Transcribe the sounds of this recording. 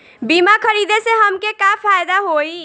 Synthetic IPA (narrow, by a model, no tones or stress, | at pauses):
bimakʰəɾid̪eseɦəmkekapʰajd̪aɦoi